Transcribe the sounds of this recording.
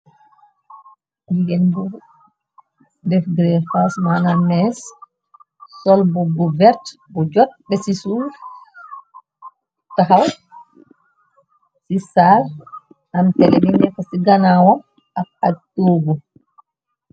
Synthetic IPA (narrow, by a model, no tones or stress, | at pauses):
ɡɛndu | dɛfɡɾɛfasmanamɛs | sɔlbubuvɛɾtbɔd͡ʒɔt̚bɛsisuf | taɦaw | sisaɾ | amtɛlɛbinɛkɔsiɡanawɔm | afatːuɡu